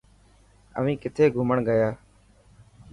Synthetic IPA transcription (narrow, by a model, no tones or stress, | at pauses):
ə̰ʋĩːkɪt̪ʰeːɡʱʊməɳɡəjaː